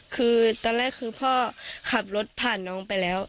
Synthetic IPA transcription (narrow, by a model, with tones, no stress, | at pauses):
kʰɯː˧t̪ɔː˧nlɛː˧˥˩k̚kʰɯː˧pʰɔː˧˥˩kʰa˧˩p̚lo˧˦˥t̪̚pʰaː˧˩nːɔː˨˥ŋpa˧jlɛː˦˥w